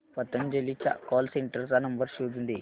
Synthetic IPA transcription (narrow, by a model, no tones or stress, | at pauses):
pɐt̪ːɐnd͡ʒelːit͡ʃa̰kɔːlseɳʈɐɾsanɐmbɐɾʃuːd̪und̪i